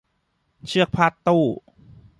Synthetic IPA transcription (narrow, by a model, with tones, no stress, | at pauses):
t͡ɕʰɯ˥˩ək̚pʰa˧˥˩t̪ːuː˥˩